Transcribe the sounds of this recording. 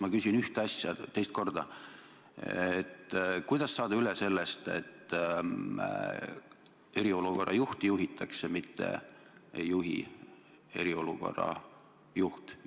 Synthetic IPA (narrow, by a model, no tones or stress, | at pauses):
mɑkysʲinyht̪ɑsʲjɑt̪e̞jst̪̚ko̞rd̪̥ɑ | et̪ːkujd̪̥ɑsːɑːd̪ɑylese̞lːest̪e̞̰t̪ː | e̞ɾio̞luko̞rːʔɑ̰juht̪juɦit̪ʰːˑɑksemit̪ːḛ | ejːuɦḭ | e̞ɾio̞luko̞̰rɑ̰ | juht̪